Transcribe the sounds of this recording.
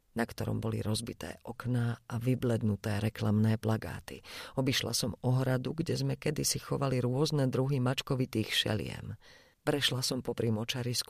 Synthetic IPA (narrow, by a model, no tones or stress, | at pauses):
nakt̪ɔɾɔ̰mbɔlḭɾɔzbit̪ɛ̰ːʔɔknaʔaʋiblɛd̪nut̪ɛːɾɛklamnɛːplaɡa̰ːt̪ḭɔbiʃla̰sɔmɔɦɾad̪uɡɟɛzmɛkɛd̪isixɔʋaliɾʊɔznɛd̪ɾuɦimat͡ʃkɔʋit̪iːxʃɛ̰lɪ̰ɛ̰m | pɾɛʃlasɔmpɔpɾimɔt͡ʃaɾisk